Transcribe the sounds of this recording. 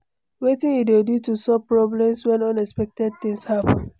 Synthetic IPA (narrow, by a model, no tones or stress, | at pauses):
wetɪ̃nidedutusɔpɹɔblɛ̃mswɛ̃nʌ̃nɛspɛk̚tɛd̚θɪ̃ŋshapɔ̃n